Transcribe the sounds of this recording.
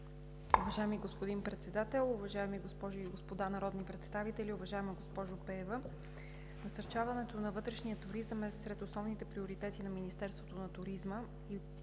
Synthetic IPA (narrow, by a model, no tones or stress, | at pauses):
ʊvɐʒaɛmiɡospod̪inpɾɛt̪sɛd̪at̪ɛlˠʊvɐʒaɛmiɡospɔʒʊiɡospod̪anɐɾɔd̪nipɾɛt̪st̪avit̪ɛliʊvɐʒaɛməɡospɔʒʊpɛvə | nɐsɐɾt͡ʃavɐnɛt̪onɐvɤt̪ɾɛʃnijət̪ʊɾizəmɛsɾɛt̪osnɔvnit̪ɛpɾioɾit̪ɛt̪inɐminist̪ɛɾst̪vot̪onɐt̪ʊɾizmə | i